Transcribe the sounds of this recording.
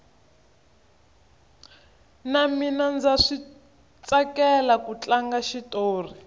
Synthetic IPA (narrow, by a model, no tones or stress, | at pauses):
naminand͡zaʂi | t͡sakɛlakut͡ɬaŋɡaʃitoːri